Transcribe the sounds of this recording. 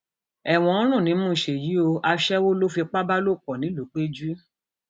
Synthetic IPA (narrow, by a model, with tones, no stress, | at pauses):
ɛ˨w̃ɔ̃˧˦ɔ̃˦ɾ̃ũ˦˨nĩ˨˦mũ˦˨ʃe˨ji˨˦o˧a˧ʃɛ˦wo˦lo˦fi˧k͡pa˦ba˦lo˦˨k͡pɔ˨nĩ˨˦lu˨˦k͡pe˦d͡ʒu˦